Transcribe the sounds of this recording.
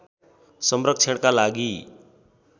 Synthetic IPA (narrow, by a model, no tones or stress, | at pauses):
sʌmrʌk̚t͡sʰeɽkalaɡi